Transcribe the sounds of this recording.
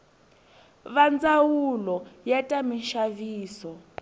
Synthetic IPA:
βand͡zawulɔjɛtʼamiʃaviːsɔ

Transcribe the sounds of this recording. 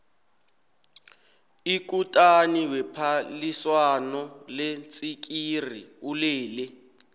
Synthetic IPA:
ikutʼaniwɛpʰaliswanɔlent͡sʼik̬ʼiriulɛːlɛ

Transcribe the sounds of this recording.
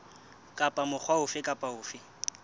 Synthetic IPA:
kʼapʼamʊk͡xʰwaʊfɪkʼapʼaʊːfɪ

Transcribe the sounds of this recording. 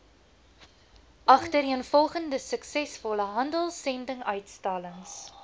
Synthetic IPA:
ʔɐχtəriənfɔlˠχəndəsəksɛsfɔləɦɐndəlˠsɛndəŋœɥtstɑləŋs

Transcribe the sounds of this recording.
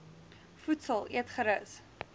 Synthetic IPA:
futsəlˠʔiətχəɾəs

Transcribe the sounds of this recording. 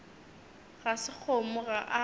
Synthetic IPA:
ɣasɪk͡xʰomʊɣaʔa

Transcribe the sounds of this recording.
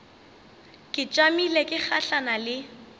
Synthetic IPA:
kʼɪt͡ʃʼwamilekʼɪk͡xʰaɬanalɪ

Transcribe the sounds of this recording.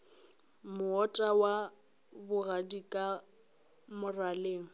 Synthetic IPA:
mʊɔtʼawa | bʊradikʼa | mʊraleːŋ̩

